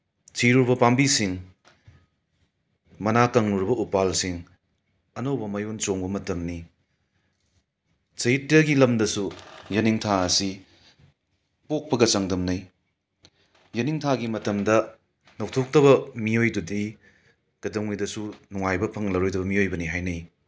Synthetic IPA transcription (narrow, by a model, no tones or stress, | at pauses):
siɾuɾbɐpambisiŋ | mɐnakɐŋluɾbɐʔupalsiŋ | ɐnɐwbɐmɐjont͡ʃoŋbɐmɐtɐmni | sɐjitɾɐɡilɐmdɐsujɐniŋtʰaɐsi | pok̚pɐɡɐt͡ʃɐŋdɐmnɐj | jɐniŋtʰaɡimɐtɐmdɐ | nok̚tʰok̚tɐβɐmiojdudi | ɡ̥ɐdɐŋujdɐsunuŋajbɐpʰɐŋlɐɾojdɐbɐmiojbɐniɦajnɐj